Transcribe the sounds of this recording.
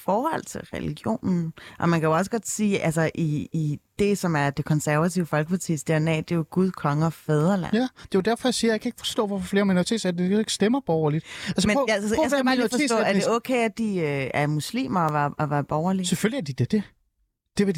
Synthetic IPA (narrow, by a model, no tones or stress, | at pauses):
fɒːhɒ̽l̰t͡sʰe̝lʁɛ̰lḭɡ̥jo̝̰ːnn̩ʔɒ̽mænkʰæjoɒ̽səɡ̥ɒ̽d̥siːʔælsɐʔiid̥e̝sɒ̽mæɐd̥e̝kʰɒ̽nsæɐʋæt͡sʰḭʊəfɒ̽lɡ̥əpʰɑ̈t͡sʰḭsd̥eɐnɛ̰ːd̥ejoɡ̥uð̞ˠkʰɒ̽ŋəɒ̽feð̞ˠɐlæ̰nd̥e̝jod̥æɐfɒ̽jäsiːɐjäkʰæe̝ɡ̥əfɒ̥̽sd̥ɔ̰̽ːʋɒfɒfle̝ːɐminoit͡sʰe̝̰ːd̥sæd̥eeɡ̥sd̥emɐb̥ɒːɐlid̥ælsmejaasæ̥ɑːli̥ːfɒsɔ̰æɐde̝ɔ̽ːkʰeɪæd̥iøæɐmuslḭːmɐɒʋæɐɒʋæɐb̥ɒːʊɐliseføljiæɐd̥id̥ed̥e | d̥e̝ʋe